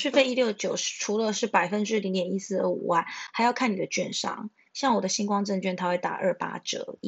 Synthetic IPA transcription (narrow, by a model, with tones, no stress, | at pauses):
ʂɻy˥˧fe˥˧ɪi˥ljo˥˩ʊt͡ɕjo˨˩ʊʂʈ͡ʂʰu˧˥lə˧ʂɻ̩˥˩pa˨˩ɪfə˦˥nʈ͡ʂɻ̩˥li˧˥ŋt̪jɛ˨˩ni˧˥sɹ̩˥˩d̪ə̰˩ṵ˨˩wa˥˩nxa˧˥ɪjɑ˥˧ʊkʰa˥˩ni˨˩d̪ə˩˦t͡ɕɥɛ˥˧nʂɑ̰˥˩ŋ | ɕjɑ˥˩ŋwɔ˨˩d̪ə˦˩ɕi˥ŋkwɑ˥ŋʈ͡ʂə˥˧nt͡ɕɥɛ˥˩nt̪ʰa˥xwe˥˩ɪt̪a̰˨˩ʔə˥˩pa̰˥ʈ͡ʂɤ̰˨˩˦